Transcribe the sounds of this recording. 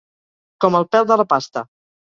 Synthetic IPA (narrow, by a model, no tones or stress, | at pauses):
kɔməlˠpɛlˠðələpast̪ə̰